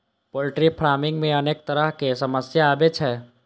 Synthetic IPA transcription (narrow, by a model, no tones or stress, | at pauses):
poːlʈɾipʰɾaːmɪ̃ŋɡmẽɐneːk̚t̪əɾəɦkesɐməsjaaːbet͡ʃʰɛː